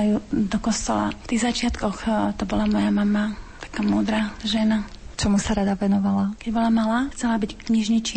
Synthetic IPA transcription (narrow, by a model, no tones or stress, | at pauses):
ajud̪ɔkɔst̪ɔla̰ft̪iɣzat͡ʃɪat̪kɔxt̪ɔbɔlamɔjamamat̪ḁkaːmuːd̪ɾaʒɛnat͡ʃɔmusaɾad̪aʋɛnɔʋalakɛɟbɔlamalaxt͡sɛlabickɲiʒɲit͡ʃi